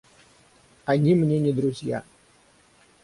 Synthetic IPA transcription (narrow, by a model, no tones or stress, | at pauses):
anʲimnʲenʲid̪ɾuzija̰